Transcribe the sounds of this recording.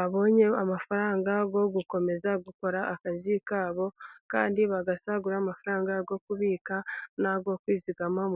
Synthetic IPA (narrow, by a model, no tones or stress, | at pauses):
aβo̞ːɲe̞amafaɾaːŋɡaɡo̞ɡuko̞me̞zaɡuko̞ɾaʔːkazikaːβo̞kaːndiβaɡasaɡuɾaːmafaɾaːŋɡaɡo̞kuβiːkanaɡo̞kwiːziɡamam